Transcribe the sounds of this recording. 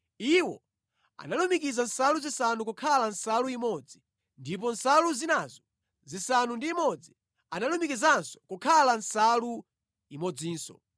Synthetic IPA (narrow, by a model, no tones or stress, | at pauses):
iwɔ | a̰nalumikizan̩saluzisanukukʰalan̩saluimɔd͡zi | ndip̬ɔn̩saluzinazɔ | zisanundiːmɔd͡zi | analumikizansɔ̥kukʰalan̩salu | imɔd͡ziːnsɔ̰